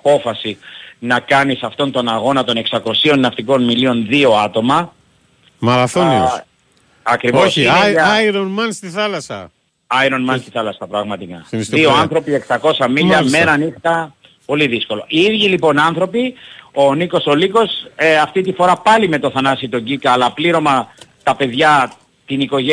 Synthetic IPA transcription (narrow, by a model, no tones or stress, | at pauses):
ɐpo̞fɐsinɐkɐnisɐft̪o̞nt̪o̞nɐɣo̞nɐt̪o̞ne̞ksɐko̞sio̞nːɐft̪iko̞nmilio̞nðio̞ɐt̪o̞mɐ | mɐɾɐθoios | ɐkɾivosieiɾonmɐnst̪iθɐlɐsɐ̰ | ɐiɾo̞nmɐnst̪iθɐlɐsɐpɾɐɣmɐt̪ikɐisðioɐnθɾo̞pie̞ksɐko̞sɐmiʎɐmeɾɐnist̪ɐ | po̞liðisko̞lo̞̰ʔiiðʝilipo̞nɐnθɾo̞pio̞niko̞so̞liko̞seɐft̪it̪ifo̞ɾɐpɐlime̞t̪o̞θɐnɐsit̪o̞ɲɟikɐːlɐpliɾo̞mɐt̪ɐpe̞ðʝɐ | t̪iniko̞ʝe